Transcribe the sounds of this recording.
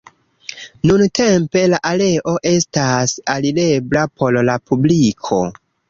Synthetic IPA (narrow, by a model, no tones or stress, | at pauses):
nuntʰe̞mpe̞laʔale̞ʔo̞ʔe̞stasalile̞blapʰo̞llapublikʰo̞̰